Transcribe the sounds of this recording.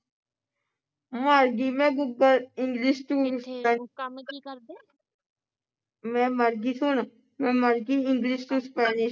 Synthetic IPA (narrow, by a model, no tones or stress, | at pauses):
maɾɡimɛ̃ɡʊɡəlɪ̃ŋɡliʃʈ̪uːsɛ | mɛ̃məɾɡisʊn | mɛ̃məɾɡiɪ̃ŋɡliʃʈ̪uspɛːniʃ